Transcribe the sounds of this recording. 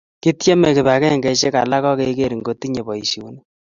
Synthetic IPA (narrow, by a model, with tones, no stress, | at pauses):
ki˦tje˦mɛ˨kɪ˨ba˨kɛ˦ŋɡɛ˨t͡ʃe˦ka̰˨la˦kɔ˦ke˦ke˦ɾi˨ŋɡo˦ti˦ɲe˨bɔ˨i˨ʃi˨u˦n˦